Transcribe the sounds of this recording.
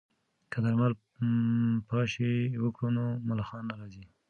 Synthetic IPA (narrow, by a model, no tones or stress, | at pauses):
kad̪aɾmal | pɑʃewəkɽunomalɑxɑnːaɾɑzi